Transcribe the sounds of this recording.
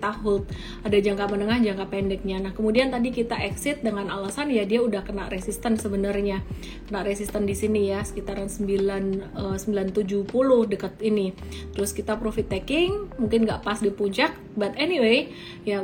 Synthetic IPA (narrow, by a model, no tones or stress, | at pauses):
t̪aɦʊt̪̚ | adad͡ʒaŋkamənəŋahd͡ʒaŋkapɛndɛk̚ɲanahkəmudiant̪adikit̪aʔɛksɪt̪̚dəŋanalasanjadiaudahkənaʔresist̪ənsəbənərɲa | kənaʔɾesist̪əndisinijasə̥kit̪aɾansəmbilanəsəmbilant̪ud͡ʒuhpulʊhdəkət̪ini | t̪əɾʊskit̪apɾofit̪ːɛkɪŋmuŋkɪnɡaʔpasdipuɲt͡ʃak̚bat̪ɛniwe | ja